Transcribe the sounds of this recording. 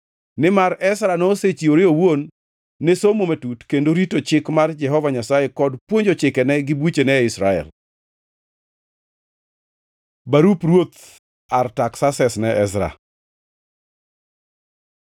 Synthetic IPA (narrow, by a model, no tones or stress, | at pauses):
nɪmaɾɛsɾanoset͡ʃioɾeowonː | esomometutkendoɾitot͡ʃɪkmard͡ʒɛɦɔvaɲasajekɔdpwoɲd͡ʒot͡ʃɪkɛnɛɡɪbut͡ʃenɛɪsɾaɛ̰l | baɾupɾwot̪ | artaksasɛsnɛʔɛsɾa̰